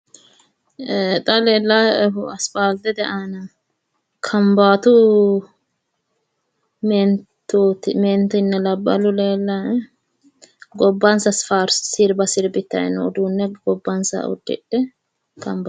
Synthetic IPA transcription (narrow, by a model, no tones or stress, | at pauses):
t̪ʼɐleːlːaɐsfaːld̪ɛd̪ɛʔaːnɐ | kʰɐmbaːt̪ʊ | mɛnt̪ːut̪ment̪ɪnːɛlɐbːɐ̰lʊleːlːa | ɡɔbːɐnsɐsfaːɾssɪɾbɐsɪɾbɪt̪ːɐ̰ɛnɔːd̪uːnːɛɡɔbːɐnsɐ̰ɔ̰d̪ːɪ̰ᶑɛ | kʰɐmba